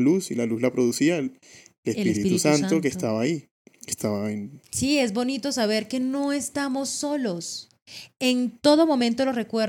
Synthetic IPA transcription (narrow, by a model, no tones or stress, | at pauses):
lusilaluzlapɾoðusiaelesiɾit̪usant̪okest̪aβai | est̪aβaensie̞zbo̞nit̪o̞saβ̞e̞ɾke̞no̞est̪amo̞sːo̞lo̞s | e̞nt̪o̞ðo̞mõ̞mẽnt̪o̞lore̞kweɾ